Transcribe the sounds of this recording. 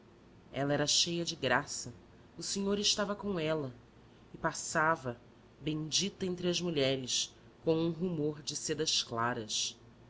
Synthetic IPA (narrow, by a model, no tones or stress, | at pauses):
ɛlɐɛɾɐʃejɐd͡ʒɪɡɾasɐ | useɲoɾɪʃt̪avɐkõw̃ɛlɐ | ɪpasavɐ | bẽd͡ʒit̪ɐẽnt̪ɾɪɐzmuʎɛɾɪs | kõw̃ũɦumoɾd͡ʒɪsed̪ɐʃklaɾɐs